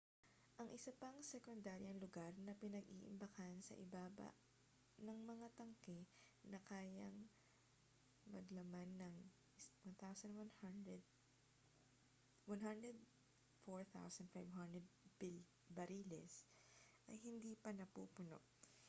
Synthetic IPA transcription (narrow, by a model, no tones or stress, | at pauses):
ʔɐŋʔɪsɐpɐŋsɛkond̪aːɾjɐŋlʊɡaɾnɐpɪnɐɡḭːʔɪ̰mbɐkansɐ̰ʔɪbaːbɐ̰ | nɐŋmɐŋat̪ɐŋkɛ | nɐkaːjɐŋ | mɐɡlɐmanːɐŋ | wɐnθawsɐnd̪wanhandɛd̪ | wɐnɦand̪ɾɛd̪̚ | foɹθa̰wsɐnd̪fajvɦand̪ɾɛd̪̚b | bɐɾiːlɛ̰sʔɐjhɪnd̪iːpɐnɐpṵːpʊno̰ʔ